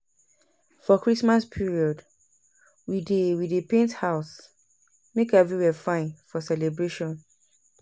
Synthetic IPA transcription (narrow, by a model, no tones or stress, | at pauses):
fɔkɹismaspʰiɹiɔd | widewidepẽnthaʊs | mekɛvɹiwɛfãɪ̃nfɔsɛlebɹeʃɔ̃n